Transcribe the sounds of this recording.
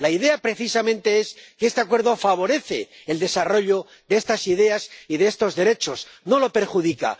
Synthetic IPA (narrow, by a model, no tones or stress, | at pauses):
laiðe̞apɾe̞θisamẽ̞nt̪e̞e̞skeest̪e̞akwe̞ɾðo̞faβ̞o̞ɾe̞θe̞̰ | eld̪e̞saro̞ʎo | ðeest̪asiðe̞asiðeest̪o̞zðe̞ɾe̞t͡ʃo̞sno̞lo̞pe̞ɾxuð̞ika̰